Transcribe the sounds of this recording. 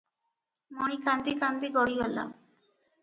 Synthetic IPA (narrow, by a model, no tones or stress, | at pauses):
monikand̪ikand̪iɡɔɽiɦalːa̰